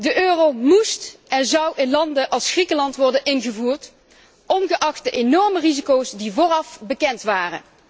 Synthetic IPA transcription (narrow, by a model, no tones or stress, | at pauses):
dəʔøːrowmustɛnzɑwɪnlɑndəʔɑlˠsχrikəlɑntʋɔɹdənʔɪnɣəvuːrt | ʔɔnɣəʔɑχtəʔenɔɹmərizikowsdivʊːrɑfbəkɛntʋaːrə̰n